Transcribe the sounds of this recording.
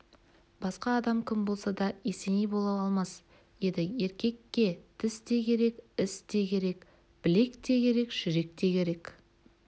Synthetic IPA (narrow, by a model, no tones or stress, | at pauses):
b̥ɑsqɑːd̪ɑmkʲʰɪmbo̞lˠsɑd̪ɑese̞nijbo̞lˠɑwɑlˠmɑs | je̞nd̪ɪje̞ɾkʲe̞kʲːe̞t̪ʰɪst̪e̞kʲʰe̞ɾe̞kɪst̪e̞kʲʰe̞ɾe̞k | b̥ɪle̞kt̪e̞kʲʰe̞ɾe̞kʒ̥ʏɾe̞k̚t̪e̞kʲʰe̞ɾe̞k